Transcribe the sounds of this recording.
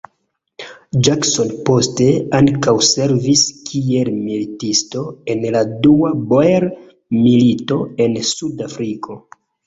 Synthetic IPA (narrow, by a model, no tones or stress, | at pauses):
d͡ʒakso̞npo̞ste̞aŋkawse̞ɾviskʰie̞lmilitisto̞e̞nladuaboeɾ | milito̞e̞nsudafɾikʰo̞